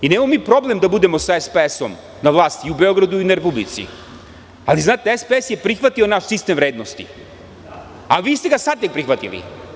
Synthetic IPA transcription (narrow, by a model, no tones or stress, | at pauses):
ineːmamomiːpɾo̞blemd̪abud̪emo̞saespeesom | navlˠaːst̪iubeo̞ɡɾad̪uinaɾepublḭt̪sḭ | aliznaːt̪eespeesjepɾixʋat̪ionaʃsist̪emvɾeːd̪nost̪ḭ | aʋiːst̪eɡasad̪t̪ek̚pɾixʋat̪ḭlḭ